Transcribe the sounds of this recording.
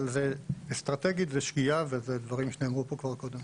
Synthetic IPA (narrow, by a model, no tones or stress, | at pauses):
lzeest̪ʁat̪eɡit̪zeʃkiavezed̪vaʁimʃenemʁupo̞kvaʁko̞d̪em